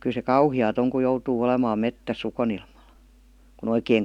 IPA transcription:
kyl se kɑuhiɑːt oŋ ku joutuː olemɑːm metːæsː ukonilmɑl kun oikeːŋ

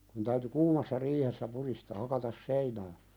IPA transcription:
kun tæyty kuːmɑsːɑ riːhesːæ puɾistɑː hɑkɑtɑs seinæː

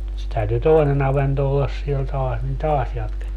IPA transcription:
se tæyty toinen ɑʋento olːɑs siel tɑːs nin tɑːs jɑtketːiː

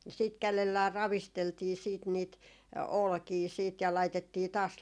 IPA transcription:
siːt kælelːæː rɑʋisteltiː siːt niːt olkiː siːt jɑ lɑitetːiː tɑːs

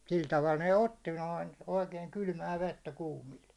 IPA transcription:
sil tɑʋɑl ne otːi noin oikeiŋ kylmæː ʋetːæ kuːmil

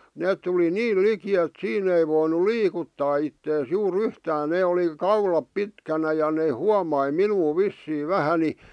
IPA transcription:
neːt tuli niːl liki et siːn ei ʋoinu liːkutːɑː itːeːs juːr yhtæːn neː oli kɑulɑp pitkænæ jɑ neː huɑmɑi minuː ʋisːiː ʋæhæ ni

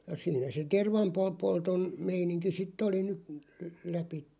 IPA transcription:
jɑ siːnæ se terʋɑmpo polton meiniŋki sitˑ oli ny læpitːem̆

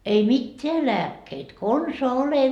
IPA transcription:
ei mitːeæ læːkːeit konsoɑ ole

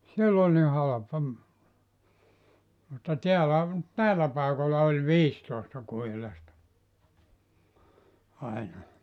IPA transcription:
sielː olʲ ni hɑlɑpɑ mutːɑ tiælæ næilˑæ pɑˑekolˑɑ olʲ ʋiːstoˑestɑ kuhilɑstɑ ɑinɑ

